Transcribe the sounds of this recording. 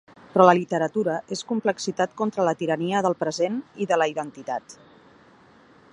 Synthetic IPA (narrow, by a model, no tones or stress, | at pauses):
pɾɔləlit̪əɾət̪uɾəʔeskumpləksit̪at̪kɔnt̪ɾələt̪iɾəniəðəlˠpɾəzeniðələiðənt̪it̪at̪